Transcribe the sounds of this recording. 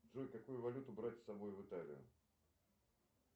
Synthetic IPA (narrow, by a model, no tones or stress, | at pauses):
dʐɔjkɐkujʊvɐlʲut̪ʊbɾatʲsɐbojvɨt̪alʲɪ̰jʊ̰